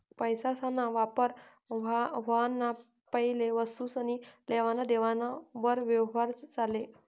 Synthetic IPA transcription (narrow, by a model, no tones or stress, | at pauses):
pəjsasanːaʋapəɾ | ʋanːa | pəɦileʋəsuːsañileʋanad̪eʋanaʋəɾʋjəʋɦaɾt͡sale